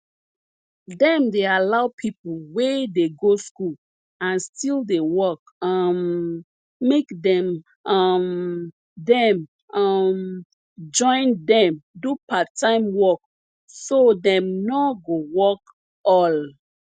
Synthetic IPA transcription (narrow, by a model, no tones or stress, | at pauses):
dɛ̃mdealaʊpʰiplwedeɡoskul | ãnstildewɔk | amː | ekdɛ̃m | ʌm | dɛ̃m | m | d͡ʒɔ̃ɪ̃ndɛ̃mdupatʰãɪ̃mwɔk | sodɛ̃mnɔɡowɔk | ɔl